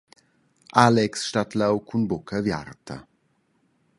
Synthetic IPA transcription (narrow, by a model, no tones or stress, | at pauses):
ʔalɛksʃtatlawkʰunbɔkʰɐvja̰rt̪ʰɐ̰